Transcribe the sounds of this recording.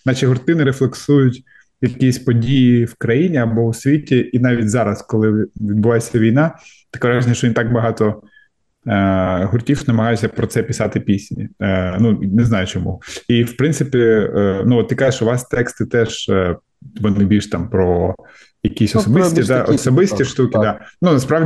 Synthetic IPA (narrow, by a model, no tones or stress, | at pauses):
nɑt͡ʃiɦʊrt̪ɪnɪɾeflˠeksujʊtʲ | jɐkʲisʲpɔdʲijiwkɾɐjinʲiɐbɔʊsʲʋʲitʲiʔinɑʋʲitʲzɑɾɐskɔlˠɪʋʲid̪bʊʋɑjesʲɐʋʲijn̪ɑt̪ɐ̥kɛʋɾaʒenʲjɐʃt͡ʃɔʋint̪ɑkbɐɦɑt̪ɔ | ɦʊrtʲiwnɐmɐɦɑjʊsʲɐpɾɔt̪sɛpʲɪsɑt̪ɪpʲisʲnʲḭnuneznɑjʊt͡ʃɔmṵiwpɾɪnsɪpʲinuɔt̪t̪ːɪkɑʒɪʃʊʋɑst̪ɛkst̪ɪt̪ɛʒ | ʋɔnɪbʲiʃt̪ɑmpɾɔ | jɐkʲisʲɔsɔbɪsʲtʲid̪ɑʔɔsɔbɪsʲt̪ʲiʃt̪ukʲɪd̪ɑnunɐspɾɑʋʲ